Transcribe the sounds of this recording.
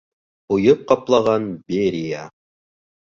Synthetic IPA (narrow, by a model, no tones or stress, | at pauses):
ujɤp̚qɑplˠɑʁɑnbeɾʲija